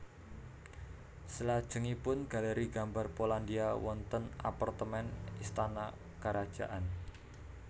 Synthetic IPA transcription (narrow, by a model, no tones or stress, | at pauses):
səlad̥ʒ̥ə̤ŋipʊnɡ̥a̤ləɾiɡambarpoland̪iawɔnt̪ənapart̪əmɛnist̪ana | kəɾad̥ʒ̥a̤̰ʔan